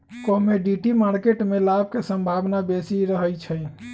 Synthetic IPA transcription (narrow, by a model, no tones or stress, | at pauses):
kɔmeɖiʈimaɾkeʈmelab̚ʱkesəmbʱaʋnabesiɾəɦəjt͡ʃʰəj